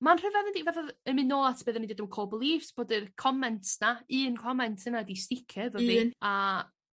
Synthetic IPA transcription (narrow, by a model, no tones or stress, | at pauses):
manr̥əvɛðəndivɛθɔðəmɨnoːlˠatʰb̥ɨːðənidiːdəmkʰoːlˠbəlˠiːftb̥oːdɨrkʰɔmɛntʰnaɨːnkʰɔmɛntʰənadistɪkʰɛvəvia